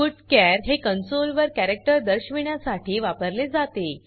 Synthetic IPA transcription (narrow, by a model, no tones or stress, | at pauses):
uʈkæɾɦekənsolʋəɾkæɾek̚ʈəɾd̪əɾɕʋiɳjasaʈʰiːʋapəɾled͡zat̪e